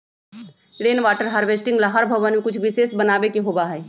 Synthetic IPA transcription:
ɽeːnʋaːʈəɾɦaɾʋeːsʈɪ̃ŋɡlaɦəɾbʱəʋənmẽkʊt͡ʃʰʋɪseːsbənaːʋekiɦoːbaɦɛː

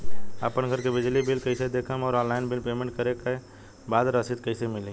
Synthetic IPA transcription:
ə̰pənɡʱəɾkebɪd͡ʒlibɪlkɐɪsed̪eːkʰəmɔːɾɔ̃ːlaːɪnbɪlpeːmẽɳʈ̚kɐɾeke | baːd̪ɾəsɪd̪̚kɐɪsemɪlĩ

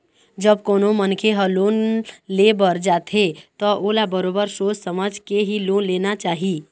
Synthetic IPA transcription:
d͡ʒəbkoːnomənkʰeɦəloːnlebəɾd͡ʒaːt̪ʰet̪ɔʔoːlabəɾoːbəɾʃoːd͡ʒsəməd͡ʒkeɦiloːnleːnat͡ʃaːɦi

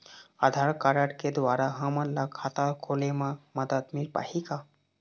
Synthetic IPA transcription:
ad̪ʱaɾkaɾaʈked̪ʋaɾaɦãmallakʰat̪alkʰolemaməd̪ət̪milpa̰hika

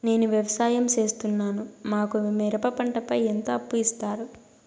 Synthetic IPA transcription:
ne̞ːnuʋjɐʋɐsaːjɐmt͡ʃe̞ːst̪unːaːnumaːkumɛɾɐpɐpɐɳʈɐpɐjent̪oːɐpːuist̪aːɾu

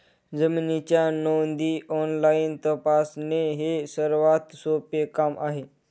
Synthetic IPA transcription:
d͡zəmnit͡ɕjanownd̪iʔɔnlaint̪əpasneɦesəɾʋat̪sopjekamʔa̰ɦe

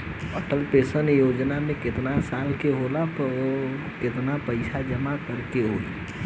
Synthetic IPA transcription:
əʈəlpesənjod͡ʒnameket̪nasalkeɦolapəɾo | ket̪napəɪsʰad͡ʒəmakəɾkeɦoli

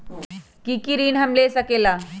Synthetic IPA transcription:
kikiɾiːnɦəmlesəkela

